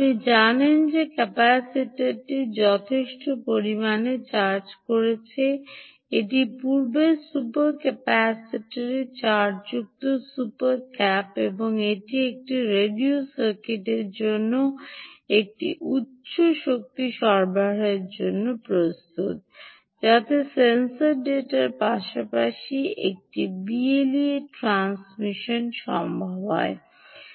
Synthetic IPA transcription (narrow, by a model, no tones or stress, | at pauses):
nid͡ʑanend͡ʑekɛpasiʈeʈid͡ʑɔt̪ʰeʃʈopoɾimanet͡ɕaɾd͡ʑkoɾet͡ɕʰe | eʈipuɾbesupaɾkɛpæsiʈaɾet͡ɕaɾd͡ʑuk̚t̪osupaɾkɛpeboŋeʈiek̚ʈiɾeɖiosaɾkeʈeɾd͡ʑonːoek̚ʈḭʔutːʃoʃok̚t̪iʃɔɾbaɾeɾd͡ʑonːopɾost̪ut̪̚ | d͡ʑat̪esensaɾɖeʈaɾpaʃapaʃiḛk̚ʈibielieʈɾansmiʃonʃɔ̰mbʱobʱɦɔ̰e